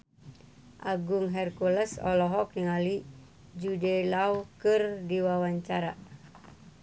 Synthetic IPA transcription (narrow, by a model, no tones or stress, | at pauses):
ʔaɡuŋɦɛrkuləsɔ̰lɔɦɔk̚niŋali | d͡ʒudɛlawkɨrdiwawaɲt͡ʃaɾa